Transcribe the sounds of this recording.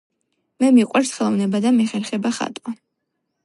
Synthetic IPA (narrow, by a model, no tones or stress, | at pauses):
mɛmiqʼwɛɾsχɛlˠɔvnɛbad̪amɛχɛɾχɛbaχa̰t̪ʼwa